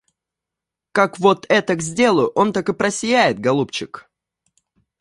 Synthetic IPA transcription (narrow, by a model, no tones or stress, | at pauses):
kakvo̞t̪ɛt̪əɡzʲdʲe̞lˠʊʔo̞nt̪akɨpɾəsʲɪjæjɪt̪̚ɡɐlˠupt͡ɕɪk